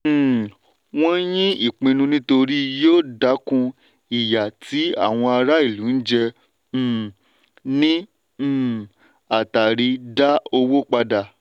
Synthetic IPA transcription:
w̃ɔ̃˦jĩ˦i˦˨k͡pĩ˧nũ˧nĩ˦to˧ɾi˦joː˦˨da˨˦kũ˧ | i˨ja˨tʰi˨˦a̰˦˨w̃ɔ̃˧a˧ɾa˦i˦˨lu˨˦n̩˦d͡ʒɛ̃˧˨ | nĩ˦˨ | a˨ta˨ɾi˧da˦o˧wo˦k͡pa˧da˧˨

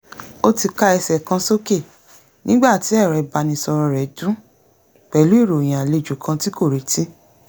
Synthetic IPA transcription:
o˦ti˧ka˦ɛ˧sɛ˨kã˧so˦ke˦˨ | nĩ˦ɡ͡ba˦˨ti˨˦ɛ˦˨ɾɛ˨˧ba˧˦nĩ˧sɔ˧ɾɔ˧ɾɛ˨˦dũ˦ | k͡pɛ˨lu˨˦i˦˨ɾo˨j̃ã˨a˨le˨˧˨d͡ʒu˨kʰã˧ti˦ko˦˨ɾi˨˦ti˦

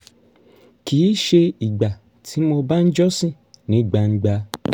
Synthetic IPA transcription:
ki˨˦ʃe˧i˨ɡ͡ba˨ | tʰi˨˦mo˧ba˦n̩˦d͡ʒɔ˦sĩ˦˨ | nĩ˨˦˨ɡ͡ba˧n̩˦ɡ͡ba˧

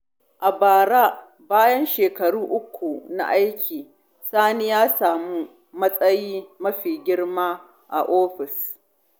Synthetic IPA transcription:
ʔa˨baː˨ɽaː˦ | baː˦jɐ˦nʃeː˨kɐ˨ɽuː˦ʔʊ˦kʷʰːu˨na̰˨ʔa˦jkʲʰiː˨ | saː˦ni˦jaː˦saː˨mu˦ | mɐ˦sʼɐ˦jiː˦mɐ˦ɸiː˨ɡʲɪ˦ɽmaː˦ | ʔa̰˨ʔoː˦ɸɪ˨s

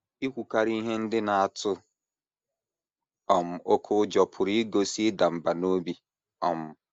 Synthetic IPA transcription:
i˦kʷu˨ka˦ɾi˦i˦ɦe˦n̩˦dɪ˦na˨a˨tʰʊ˦ | ɔ˨m̩˨o˦kʰʊ˦d͡ʒɔ˨pʰʊ˨ɾi˦i˦ɡo˨˦si˦da˨m̩˨ba˨no˦bi˦ | ɔ˨m̩˨

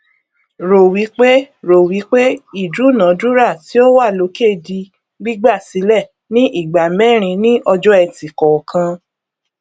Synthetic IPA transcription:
ɾo˨wi˨˦k͡pe˦ɾo˨wi˨˦k͡pe˦i˦˨du˨˦˨nã˨˦du˦ɾa˦˨ti˨˦o˦wa˦˨lo˨˧˦ke˦˨di˧ | ɡ͡bi˦ɡ͡ba˦˨si˨˦lɛ˦˨ | nĩ˦ʔi˦˨ɡ͡ba˨mɛ̃˦˨ɾ̃ĩ˧nĩ˦ʔɔ˧d͡ʒɔ˦ɛ˧˨ti˨kɔ˨kʰã˧

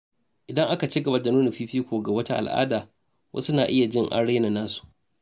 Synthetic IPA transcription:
ʔɪ˨dɐ˦ŋʔa˦ka˨t͡ʃi˦ɡɐ˨ba˦da˨nuː˦na˨ɸiː˦ɸiː˦kʷoː˨ɡa˨wɐ˦ta˦ʔa̰˨lʔa̰ː˦daː˨ | wʔɐ̰˦su˦naː˨ʔɪ˦ja˨d͡ʒɪ˦ŋʔa̰˨ɽe˦na˨naː˦su̥˨ʔ

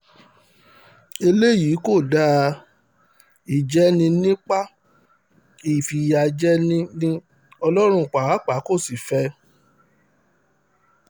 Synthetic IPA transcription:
e˧le˦ji˨˦ko˦˨da˦ | i˦˨d͡ʒɛ˦nĩ˧nĩ˦k͡pa˦ | i˨fi˨ja˧d͡ʒɛ˦nĩ˦nĩ˦ | ɔ˧lɔ˦ɾ̃ũ˧˨k͡pa˨a˨˦k͡pa˨˦ko˦˨si˨fɛ˧˦

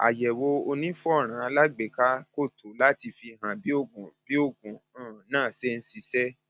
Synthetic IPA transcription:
a̰˨jɛ˨wo˧o˧nĩ˦fu˦ɔ˦˨ɾ̃ã˨˧˦la˦ɡ͡be˨˦˨ka˦ko˦˨to˨˦la˦ti˧fi˧ɦã˨bi˨˦o˦˨ɡũ˨b̥i˨˦o˦˨ɡũ˨ãː˦˨nãː˦˨se˦n̩˦si˧sɛ˦

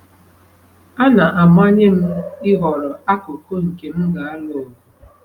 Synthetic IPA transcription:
a˦na˨ʔa˨ma˦ɲe˦m̩˦i˦ɣɔ˨ɾɔ˨a˦ko˨ko˦ŋ̩˨ke˨m̩˦ɡa˨a˦lo˦˨

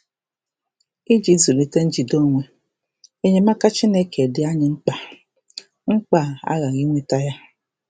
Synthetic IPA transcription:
i˦d͡ʒi˦zu˨li˨te˦n̩˦d͡ʒi˨do˦ŋʷe˨ | e˦ɲe˦ma˦ka˦t͡ʃi˦ne˦ke˨dɪ˨˦a˦ɲɪ˨ŋ͡m̩˦k͡pa˨ | ŋ͡m̩˦k͡pa˦˨a̰˦ɣa˨ɣi˦ŋʷe˦ta˦ja˦

